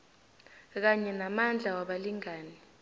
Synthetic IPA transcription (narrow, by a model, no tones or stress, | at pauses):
k̬aɲɛnamand͡ɮʱawaɓaliŋaːni